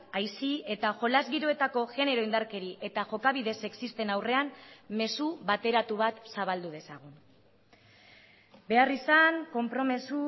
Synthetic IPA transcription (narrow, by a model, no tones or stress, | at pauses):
ajsie̞t̪aʝo̞lazɣiɾoe̞t̪ako̞ɣe̞ne̞ɾo̞ind̪aɾke̞ɾiʔe̞t̪aʝo̞kaβ̞iðe̞se̞ksist̪e̞nawre̞anme̞suβat̪e̞ɾat̪uβ̞at̪saβald̪uð̞e̞saɣ̞un | be̞arisaŋko̞mpɾo̞me̞su